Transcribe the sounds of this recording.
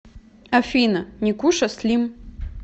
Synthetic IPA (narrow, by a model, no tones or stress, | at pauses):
afʲinanʲikuʂaslʲim